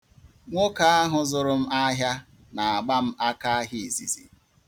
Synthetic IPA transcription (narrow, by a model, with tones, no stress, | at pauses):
ŋʷo˦ka˦a˦ɦʊ˨zʊ˨ɾʊ˦m̩˦a˦ɦja˦ | na˨a˨ɡ͡ba˦m̩˦a˦ka˦ɦi˨e˨zḭ˨zḭ˨